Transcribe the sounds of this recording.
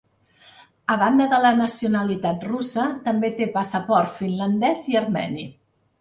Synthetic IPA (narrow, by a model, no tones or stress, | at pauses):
əβand̪əðələnəsiunəlit̪at̪ruzət̪əmbet̪epəsəpɔɾt̪finlənd̪ɛziəɾmɛ̰ni